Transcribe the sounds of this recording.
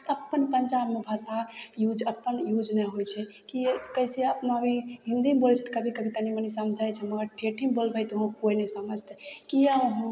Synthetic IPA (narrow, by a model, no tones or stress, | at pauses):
əpːənpənd͡ʒabmebʱasajud͡ʒəpːənjud͡ʒnɛɦojt͡ʃʰɛkikəjseəpnəbʱiɦĩnd̪imebolt͡ʃʰɛt̪kəbʱikəbʱit̪animənisəmd͡ʒʱajt͡ʃʰɛməɡəɾʈʰeʈʰimbolbəjt̪oɦũkojnesəməd͡ʒʱt̪ɛkijəɦũ